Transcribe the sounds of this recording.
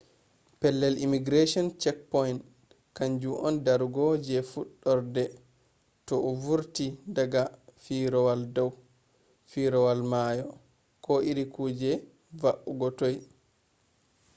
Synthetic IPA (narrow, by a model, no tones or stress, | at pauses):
pɛlːɛlimiɡɾeʃɔnt͡ʃɛk̚pɔjnt | kaɲd͡ʒuʔɔndaɾɡɔd͡ʒɛfuɗːɔɾdɛ | tɔɔvuɾtidaɡafiɾɔwaldɔw | fiɾɔwalmajɔ | kɔʔiɾikuːd͡ʒɛ | vaʔuɡɔtɔj